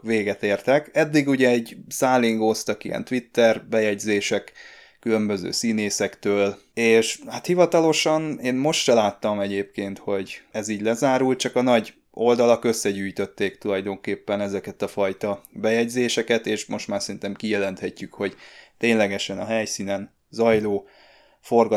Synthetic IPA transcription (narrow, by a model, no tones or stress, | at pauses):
veːɡɛt̪eːrt̪ɛkɛd̪ːiɡuɟɛɛɟsaːliŋɡost̪ɒkijɛ̰nt̪ʋit̪ːɛrbɛjɛɟzeːʃɛkː | ylø̞mbø̞zø̰ːsiːneːsɛkt̪øːl | eːʃhat̪hivɒt̪ɒlo̞ʃɒneːnmo̞ʃt̪ʃɛlaːt̪ːɒmɛɟeːp̚keːnt̪ho̞ɟɛziːɟlɛzaːɾult̪̚t͡ʃɒkɒnɒɟ | ʔo̞ld̪ɒlɒkø̞sːɛɟyːjt̪ø̞t̪ːeːkt̪ulɒjd̪o̞ŋkeːpːɛnɛzɛkɛt̪ɒfɒjt̪ɒbɛjɛɟzeːʃɛkɛt̪eːʃmo̞ʃt̪maːrsɛint̪ɛmkijɛlɛnt̪hɛcːykho̞ɟt̪eːɲlɛɡɛʃɛnɒɦɛjsiːnɛn | zɒjloː | fo̞rɡɒ